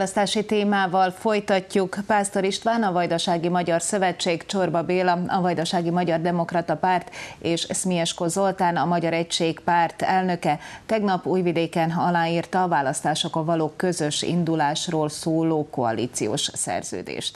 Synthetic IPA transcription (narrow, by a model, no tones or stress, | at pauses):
lɒst̪aːʃit̪eːmaːvɒlfo̞jt̪ɒcːukpaːst̪oɾiʃt̪ʋaːnɒvɒjd̪ɒʃaːɡimɒɟɒrsø̞vɛt͡ʃːeːkt͡ʃo̞rbɒbeːlɒɒvɒjd̪ɒʃaːɡimɒɟɒrd̪ɛmo̞krɒt̪ɒpaːrt̪eːʃsmiɛʃkozo̞lt̪aːnɒmɒɟɒɾɛcʃeːkpaːrt̪ɛlnø̞kɛt̪ɛɡnɒpuːjvid̪eːkɛnɒlaːiːrt̪ɒːvaːlɒst̪aːʃo̞kɒvɒloːkøzøʃḭnd̪ulaːʃroːlsoːloːkoɒ̰lḭːt̪sijo̰ːʃsɛ̰rz̥ø̰ːd̪ḛːʃt̪